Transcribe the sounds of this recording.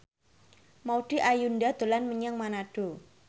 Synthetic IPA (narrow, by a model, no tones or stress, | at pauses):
mauɖ̥iʔajundad̪̥o̤lanməɲəŋmanaɖ̥o